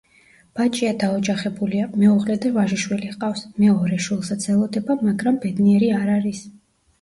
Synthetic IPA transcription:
b̥at͡ʃʼiad̪aɔd͡ʒaχɛbuliamɛuʁlɛd̪ɛvaʒiʃwiliqʼafsmɛɔɾɛʃwilˠsat̪sʰɛlˠɔd̪ɛbamaɡɾambɛd̪niɛɾiaɾaɾis

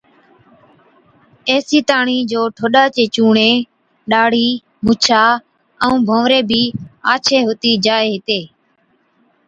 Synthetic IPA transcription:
eːsiːt̪aːɳiːd͡ʒoːʈʰoːɗaːt͡ʃeːt͡ʃuːɳeː | ɗaːɽ̤iː | mʊt͡ʃʰaː | əũːbʱõːʋɾeːbʱiːaːt͡ʃʰeːɦoːt̪iːd͡ʒaːeːɦɪt̪eː

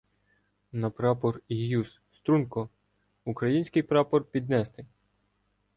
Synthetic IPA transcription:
nɐpɾɑpɔrijus | st̪ɾunkɔ | ukɾɐjinʲsʲkɪjpɾɑpɔrpʲid̪nɛst̪ɪ

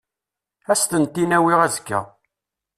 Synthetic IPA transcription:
æst̪ənt̪ːinæwiʁæzəkːæ̰

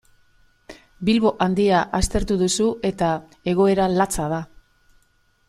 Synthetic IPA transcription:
bilβo̞ʔand̪iaʔast̪e̞ɾt̪uðusue̞t̪a | e̞ɣ̞o̞e̞ɾalat͡sað̞a

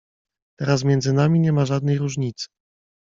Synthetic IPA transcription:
t̪ɛɾas̬mʲjɛndzɘnamʲiɲɛmaʐad̪̚nɛjɾuʐɲit̪sɘ̥

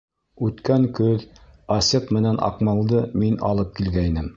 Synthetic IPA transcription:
ʉt̪kæŋkɵðɑsɤqmɘ̆nænʔɑ̰qmɑlˠd̪ɤminɑ̰lˠɤp̚kilɡæinɘm

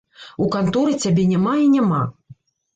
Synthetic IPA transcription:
ukant̪ɔɾɨt͡sʲabʲenʲamainʲama

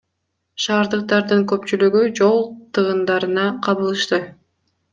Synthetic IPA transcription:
ʃɑːɾd̪ɯq̚t̪ɑɾd̪ɯŋkøp̚t͡ʃylyɡyd͡ʒo̞lˠt̪ʰɯʁɯnd̪ɑɾɯnɑqʰɑβɯlˠɯʃt̪ɯ

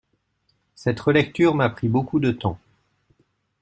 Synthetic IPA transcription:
sɛt̪ʁəlɛkt̪yʁmapχibokud̪ət̪ɑ̃

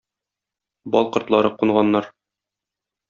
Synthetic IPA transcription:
bɒ̰lˠqɤ̆ɾt̪lˠɑɾɤquɴʁɑnːɑɾ

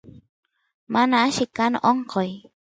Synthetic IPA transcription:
manaːʃikano̰ʔɔŋqɔj

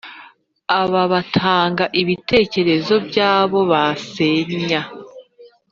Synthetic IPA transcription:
aβaβatʰaːŋɡaʔiβitʰe̞ːce̞ɾe̞zo̞bjaːβo̞βase̞ɲa

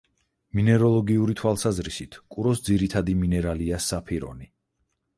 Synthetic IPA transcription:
minɛɾɔlˠɔɡiuɾit̪ʰwalˠsazɾisit̪ʰkʼuɾɔsd̪ziɾit̪ʰad̪iminɛɾaliasapʰiɾɔ̰ni

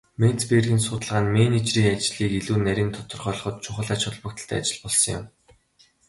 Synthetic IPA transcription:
men̥t͡speːrɣĭnsʊːt̪ə̆ɮʁaːnmenet͡ɕriːŋat͡ɕɮiːkiɮuːnæɾʲĭːnt̪ʰʊ̥t̪ɞ̆rχœɮɞ̆χɞ̆t̪̚t͡ɕʰʊχə̆ɮat͡ɕχʊ̆ɮpə̆k̚t̪ə̆ɬt̪ʰæ̰ːat͡ɕɪ̆ɮpɔɮsɞ̆ŋjʊ̰m

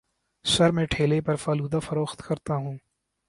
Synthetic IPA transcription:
sɐɾmẽːʈʰeːlepɐɾfaːluːd̪afɐɾoːxt̪kɐɾt̪aɦũː

